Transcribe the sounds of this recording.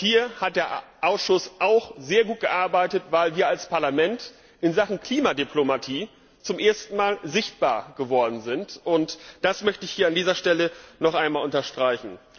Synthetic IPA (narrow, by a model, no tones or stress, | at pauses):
hiːɐhat̚d̥eːɐʔaʊsʃʊsʔaʊxz̥eːɐɡuːt̚ɡ̥əʔaɐbaɪtətv̥aɪlviːɐalspʰaɐlamɛnt | ʔɪnzaχn̩kl̥iːmadipʰlomatʰiː | t͡sʊmʔeːɐstn̩maːlzɪçt̚b̥a̰ːɐɡ̥əvɔɐdn̩zɪntʔʊntd̥asmœçtəɪçhiːɐandiːzɐʃtɛlənɔχʔaɪnmaːlʊntɐʃtʁ̥aɪçn̩